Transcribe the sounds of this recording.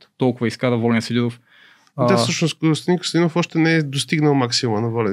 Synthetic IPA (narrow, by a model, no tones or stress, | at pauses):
t̪ɔlˠkʊvɐiskad̪ɐvɔlɛnsɛd̪inof | d̪asɤʃnoskɾsd̪ĩkəsd̪inofɔʃt̪ɛnɛɛd̪ost̪iɡnəlˠmaksimumɐnɐvɔlɛ